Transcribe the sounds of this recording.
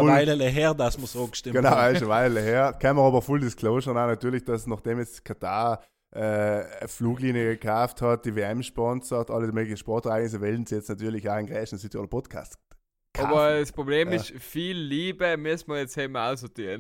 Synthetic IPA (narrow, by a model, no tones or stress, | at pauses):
laɪləleɦɛʁdasməsoːʃtɪɡənaʊaʃəʋaɪlələhɛːʁkʰɛnməʁɑːbəfuldɪskʰloːʃənaʊnatyːɐlɪçd̥ɑsnɑχd̥emjɛt͡stkʰatʰaː | ʔɛəfluːɡliːnjəɡəkʰaʊfthɑt̚d̥iveːɛmʃpɔnsɔtʔɑlːədimøːɡlɪçənʃpɔʁtɛʁaɪɡnɪs̬əvɛln̩sijɛt͡stnatyːlɪçaʊnɡʁɛːʃnsytoːdɐəpʰɔtkʰa̰ːs | kʰɔbəəspʁobleːmɪʃfiːlːiːbəmɪstməjɛt͡sheːməaʊsɔtiːn